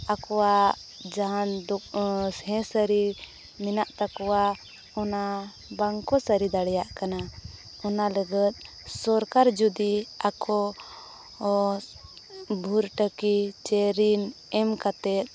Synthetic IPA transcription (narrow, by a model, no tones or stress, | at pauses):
akɔwa | d͡ʒaɦãnd̪ɔhɛ̃səɾi | minaʔt̪akɔwa | ɔna | baŋkɔsəɾid̪aɽɛjaʔkana | ɔnaləɡət̪̚ˀ | sɔɾkaɾd͡ʒud̪iakʰɔ | bʱuɾʈəkit͡ʃɛɾin | ɛmkat̪ɛt̪̚